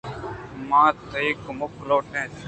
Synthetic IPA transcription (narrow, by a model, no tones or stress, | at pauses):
mãːt̪əiːkmʊkloːʈẽːt̪